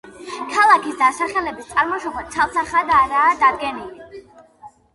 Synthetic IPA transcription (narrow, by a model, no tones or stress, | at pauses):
kʰalˠakʰisd̪asaχɛlɛbist̪sʼaɾmɔʃɔbɔd̪t̪sʰavsaχad̪aɾaːd̪ad̪̚ɡɛnili